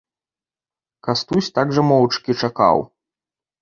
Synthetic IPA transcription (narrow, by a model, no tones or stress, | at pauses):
kast̪usʲt̪aɡʐɐmɔwt͡ʂkʲit͡ʂaka̰w